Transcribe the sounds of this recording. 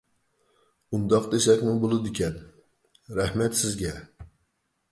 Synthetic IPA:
und̪ɑqd̪esɛkʲmubolˠɨd̪ɪkʲʰɛn | ɾæhmɛt̪sɪzɡʲɛ

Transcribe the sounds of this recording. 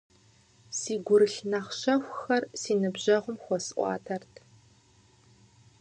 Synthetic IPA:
siːɡʷʊɾɨɬnaːχɕɐxʷxɐrsiːnɨbʑɐʁʷʊmxʷɔsʔʷɑ̰ːtʰɐrtʰ

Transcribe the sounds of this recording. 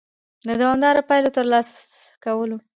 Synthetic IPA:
d̪əd̪awɑmd̪ɑɾopɑjlot̪əɾlɑs | kawəlo

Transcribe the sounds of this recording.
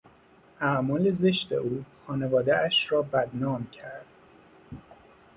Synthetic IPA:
ʔæʔmɒːle̞zeʃt̪e̞̰ʔuːxɒːnevɒːd̪eʔæʃrɒːbæd̪nɒːmcʰæɾd̪̥

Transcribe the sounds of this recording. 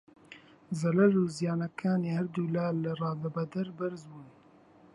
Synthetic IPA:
zɐlɐɾuːzijaːnɐkʰaːneːhɐɾd̪uːlaːlɨrˤɑːd̪ɐbɐd̪ɐɾbɨɾzbuːn

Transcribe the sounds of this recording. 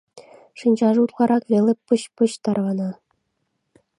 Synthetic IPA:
ʂɯnʲd͡ʑɑʐɤut̪qɑɾɑkʋʲelʲɘ̆pɤ̆ɕpɤ̆ɕt̪ɑrʋɑnɑ

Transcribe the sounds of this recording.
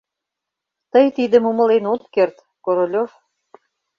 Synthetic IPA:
t̪əjt̪id̪ə̆mumə̆lenot̪kert̪ | koɾolʲof

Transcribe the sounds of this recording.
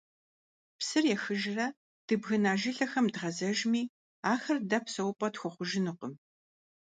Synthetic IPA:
psɨrjɛxɨʒrɐ | d̥ɨbɣɨnaːʒɪɬɐxɐmdʁɐzɐʒmiː | aːxɐrdɐpʰsɐwpʼɐtxʷʊχʷʊʒɪnɨqəm

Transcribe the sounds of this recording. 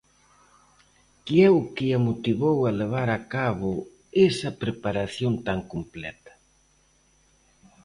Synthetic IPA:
kɪɛʊkɪamot̪iβowɐleβ̞aɾakaβʊ | esɐpɾepaɾaθjont̪aŋkomplɛ̰t̪ɐ̥

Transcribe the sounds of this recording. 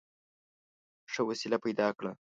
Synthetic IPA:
ʂəwasilapajd̪ɑkɽa

